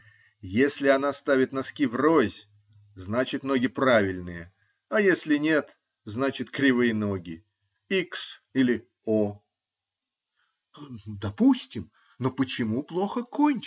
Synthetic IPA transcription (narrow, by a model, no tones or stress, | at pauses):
jesʲlʲɪɐn̪ast̪avʲɪt̪nɐskʲivrozʲ | znat͡ɕɪt̪no̞ɡʲɪpɾavʲɪlʲnɨjə | ɐjesʲlʲɪnʲe̞t̪ | znat͡ɕɪt̪kɾʲɪvɨjəno̞ɡʲɪ | iksilʲɪ | o | d̪ɐpusʲtʲɪm | nopət͡ɕɪmuplˠo̞xəkʰonʲ